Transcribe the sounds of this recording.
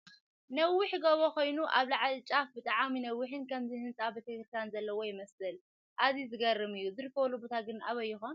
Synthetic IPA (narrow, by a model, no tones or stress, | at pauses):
nɐwːɪħɡɐβokʰo̞jnuʔaβlaʕlit͡ʃʼafbɨt̪ʼaʕaminɐwːɨħɨnkʰɐmzihɨnt͡sʼabɨt̪ʰɐkɾt̪ʰanzɐlːɐwojɪmɐsɨl | ʔazizɨɡɐrːɨmɨjːuzɨɾɨkːɐwlubot̪ʰaɡɨnʔaβɐjːɪxon